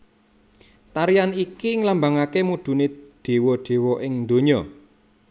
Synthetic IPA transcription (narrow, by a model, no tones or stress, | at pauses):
t̪aɾijanikiŋlambaŋakemud̪̥ṳneɖ̪̥e̤wɔɖ̪̥e̤wɔʔɪŋd̪o̤ɲɔ